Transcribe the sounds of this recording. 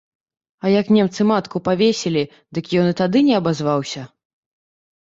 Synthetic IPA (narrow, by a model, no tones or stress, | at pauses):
ɐjɐknʲɛmt̪sɨmat̪kupavʲesʲelʲi | d̪ɨkjɔnɨt̪ad̪ɨnʲɛɐbazvawsʲɐ